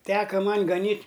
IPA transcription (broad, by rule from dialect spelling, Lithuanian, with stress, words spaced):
ˈtʲæːkɐ ˈmɐnʲ ɡɐˈnʲiːtʲ